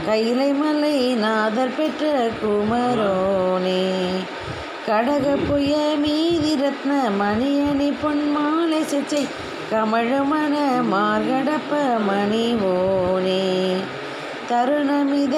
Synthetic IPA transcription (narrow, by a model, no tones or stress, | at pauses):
kɐjːɪlɐɪmɐlːɐɪnaːðɐɾpɛʈrɐkʊmɐɾoːni | kɐɽɐɣɐpːɔjɐmiːðiɾɐt̪nɐmɐnijɐnipɔnmaːlɐsɐt͡ʃːɐɪ | kɐmɐɻɯmaːnɐmaːɾɣɐɽɐpːɐmɐniʋoːni | t̪ɐɾɯɳɐmiːð